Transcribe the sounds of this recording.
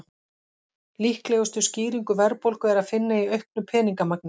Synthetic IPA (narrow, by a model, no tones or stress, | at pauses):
lihklɛːɣʏst̪ʏsciːɾiŋkʏvɛɾpowlkʏɛɾaðfɪnːaiœɥhknʏpʰɛːniŋkamak̚nɪ